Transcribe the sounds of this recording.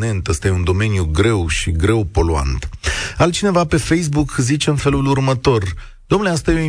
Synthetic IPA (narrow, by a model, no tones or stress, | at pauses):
ne̞nt̪ast̪aje̞und̪o̞me̞njuɡɾe̞wʃiɡɾe̞wpo̞lua̰nt̪alt͡ʃine̞vape̞fe̞js̬bukzit͡ʃe̞ɨnfe̞lulurmət̪o̞r | d̪̥omnleast̪ajeoi